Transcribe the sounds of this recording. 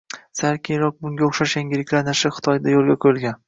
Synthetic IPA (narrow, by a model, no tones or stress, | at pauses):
saɾkʲʰejɾɒk̚bʊŋɡʲaoχʃaʃjaŋɡʲɪlɪkʲlaɾnɪʃɪχɨ̥t̪ʰɒjd̪ajolˠɡʲakʰoɪlˠɡʲan